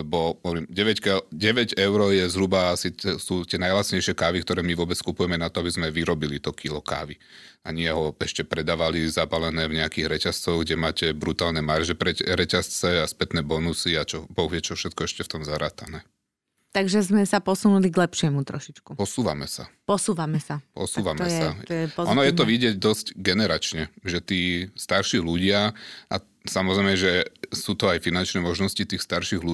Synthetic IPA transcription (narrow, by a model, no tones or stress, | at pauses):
ɛbɔɔɾimɟɛʋɛckɛlɟɛʋɛɟɛʊɾɔjɛzɦɾubaasisut̪ɪɛnajlat̪sɲɛjʃɪɛkaːʋikt̪ɔɾɛːmiʋʊɔbɛt͡skupujɛmɛnat̪ɔabizmɛʋiɾɔbilit̪ɔkilɔka̰ːʋi | aɲiɪɛɦɔɛʃcɛpɾɛd̪aːʋalizabalɛnɛːvɲɛakiɣɾɛcast͡sɔɣɡɟɛmaːcɛbɾut̪aːlnɛmaɾʒɛpɾɛɛɾɛcast͡sɛaspɛt̪nɛːbɔnusiat͡ʃɔbɔɦjɛt͡ʃɔfʃɛt̪̚kɔɛʃcɛft̪ɔmzaɾa̰ːt̪anɛː | t̪aɡʒɛzmɛsapɔsunuliɡlɛpʃɪɛmut̪ɾɔʃit͡ʃkupɔsuːʋa̰mɛsa̰pɔsuːʋamɛsapɔ̰suːʋamɛjsaɔɛpɔɔnɔjɛt̪ɔʋiɟɪɛɟ̚d̪ɔscɡɛnɛɾat͡ʃɲɛʒɛt̪iːst̪aɾʃiːluɟɪaʔa̰ | samɔzɾɛɪmɛʒɛsuːt̪ɔajfinant͡ʃnɛːmɔʒnɔscit̪iːxst̪aɾʃiɣlu